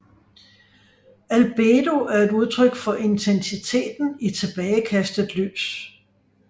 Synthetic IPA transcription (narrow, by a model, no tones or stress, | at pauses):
ælb̥eːd̥o̝æɐe̝d̥uð̞ˠt͡sʰʁœɡ̥fɒ̽ʔe̝nt͡sʰensit͡sʰe̝̰ːd̥n̩it͡sʰe̝b̥ɛːɪəkʰæsd̥əð̩ˠly̰ːs